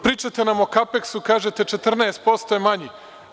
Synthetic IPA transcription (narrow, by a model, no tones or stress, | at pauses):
pɾiːt͡ʃat̪enamo̞kapeksukaːʒet̪et͡ʃet̪r̩nɛest̪̚po̞st̪ojemaɲi